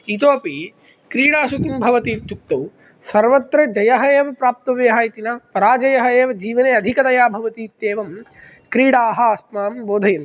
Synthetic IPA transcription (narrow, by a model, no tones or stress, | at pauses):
it̪̬oːpi | kɾiːɽaːʃut̪imbʱɐʋɐt̪iːt̪juk̚t̪ɐw | sɐɾʋɐt̪ɾɐd͡ʒɐjɐɦɐeːʋɐpɾaːp̚t̪ɐʋjɐɦaːjit̪inapɐɾaːd͡ʒɐjɐɦɐeːʋɐd͡ʒiːʋɐneːɐd̪ʱikɐd̪ɐjaːbʱɐʋɐt̪iːt̪ːeːʋɐm | kɾiːɽaːɦɐast̪maːmboːd̪ʱɐjɐn